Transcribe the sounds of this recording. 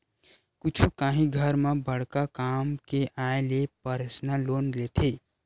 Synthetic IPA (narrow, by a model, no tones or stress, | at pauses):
kʊt͡ʃʰukaːɦĩɡʱəɾmebəɽ̤kakaːmkeʔaelepəɾəsnaloːnlet̪ʰe